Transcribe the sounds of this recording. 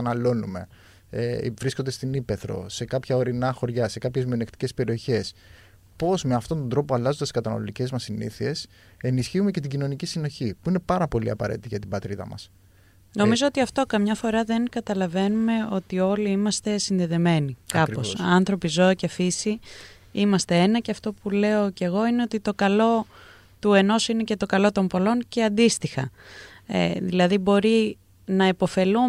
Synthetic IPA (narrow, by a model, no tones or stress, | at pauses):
ɐnɐlo̞nume̞̰ | evɾiskond̪e̞st̪inipe̞θɾo̞̰se̞kɐpçɐo̞ɾinɐxo̞ɾʝɐse̞kɐpçe̞zmio̞nekt̪i̥ce̞spe̞ɾio̞çe̞s | po̞zmeɐft̪o̞nt̪od̪ɾo̞poɐlɐzod̪eskɐt̪ɐnɐ̰lot̪ice̞zmɐsiniθie̞s | e̞nisçiume̞ce̞t̪̬iɟino̞nicisino̞çipuine̞pɐɾɐpo̞lḭɐ̰pɐ̰ɾe̞̰t̪it̪iʝɐt̪ibɐt̪ɾiðɐ̰mɐ̰s | no̞mizo̞ot̪iɐft̪o̞kɐmɲɐfo̞ɾɐðe̞nkɐt̪ɐlɐve̞nume̞o̞t̪io̞liimɐst̪e̞sinðeðe̞me̞nikkɐpo̞sɐnθɾo̞pizo̞ɐcefisi | imɐst̪e̞e̞nɐceɐft̪o̞pule̞o̞ce̞ɣo̞ine̞o̞t̪it̪o̞kɐlo̞ | t̪ue̞no̞sine̞ce̞t̪o̞kɐlo̞t̪o̞mpo̞lo̞nce̞ɐnd̪ist̪ixɐ̰ | ḛðilɐðibo̞ɾi | nɐepofe̞lu